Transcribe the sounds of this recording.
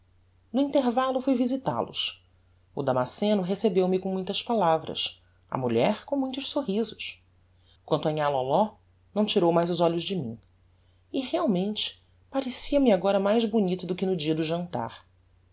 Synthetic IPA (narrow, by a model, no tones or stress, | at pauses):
nʊĩnt̪eɾvalʊfujvizit̪a̰lʊ̰s | ʊd̪amasẽnʊɦesebewmɪkõmũj̃t̪ɐspalavɾɐ̰s | ɐ̰muʎɛɾkõmũj̃t̪ʊʃsoɦizʊʃ | kwɐ̃nt̪ʊɐɲalɔlɔ | nɐ̃w̃t͡ʃiɾowmajzʊzɔʎʊzd͡ʒɪmḭ̃ | ɪheawmẽnt͡ʃɪ̥ | paɾesiɐmɪaɡɔɾɐmajzbunit̪ʊd̪ʊkɪnʊd͡ʒiɐd̪ʊʒɐ̃nt̪a̰ɾ